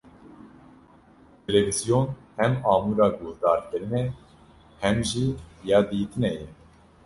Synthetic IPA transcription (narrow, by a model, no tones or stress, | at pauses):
t̪ʰɛlɛvizijonhɛmɑːmuːɾɑːɡohd̪ɑːɾkɨɾɨnɛ | hɛmʒijɑːd̪iːt̪ʰɨnɛjɛ